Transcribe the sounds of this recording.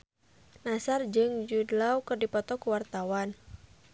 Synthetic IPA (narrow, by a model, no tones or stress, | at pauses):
nasard͡ʒɨŋd͡ʒudlawkɨrdipɔt̪ɔkuwart̪awan